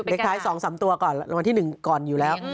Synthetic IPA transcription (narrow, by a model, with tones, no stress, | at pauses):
le˦˥kt̪ʰaː˦˥jsɔː˩˦ŋsaː˩˦mt̪u˧ɐkɔː˨˩n˧wa˧nt̪ʰiː˥˩nɯ˨˩ŋkɔː˨˩njuː˨˩lɛː˦˥w